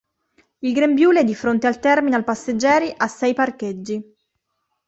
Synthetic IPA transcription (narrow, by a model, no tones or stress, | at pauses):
ilɡɾembjuːleɛd̪ifɾont̪ealt̪ɛrminealpasːed͡ʒːɛːɾiʔasːɛjparked͡ʒːi